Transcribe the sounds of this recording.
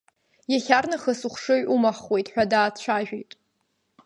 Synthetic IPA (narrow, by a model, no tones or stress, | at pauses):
jaχʲarnɨχəsuχʷʂɨɥʔumaχwe̞jtʼħʷᶣadaːt͡ɕʷʰaʒᶣejtʼ